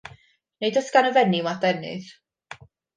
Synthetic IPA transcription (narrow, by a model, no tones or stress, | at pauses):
nejdɔsɡ̥anəvɛniwadɛnɨ̰ð